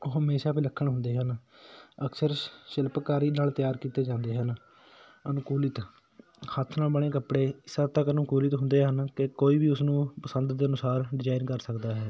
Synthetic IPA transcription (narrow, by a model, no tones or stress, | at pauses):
oːɦəmeːʃaːpiːləkʰːəɳɦʊnd̪eːɦənəksəɾʃɪlpkaːɾiːnaːlt̪ɪjaːɾkiːt̪eːd͡ʒãːnd̪eːɦən | ənʊkuːlɪt̪ | hət̪ʰnaːlbəɽ̃ẽːkəpɽeːɪsaːt̪əkənʊkuːlɪt̪ɦʊnd̪eːɦənkɪkoːiːbiːʊsnũːpəsənd̪d̪eːənʊsaːɾɖɪd͡ʒaːɪnkəɾsəkd̪aːɦɛː